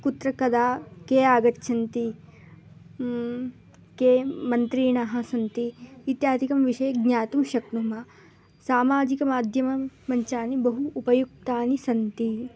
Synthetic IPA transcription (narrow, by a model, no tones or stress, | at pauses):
kut̪ɾɐkɐd̪aːkeːaːɡɐt̪ːʃʰɐnt̪i | keːmɐnt̪ɾiːɳaɦɐ̆sɐnt̪iit̪jaːt̪ikɐmʋiʂɐjɐɡɲaːt̪umʃɐknumɐ | saːmaːd͡ʒikɐmaːd̪ʱjɐmɐmɐɲt͡ʃaːnibɐɦuːpɐjuk̚t̪aːnisɐnt̪i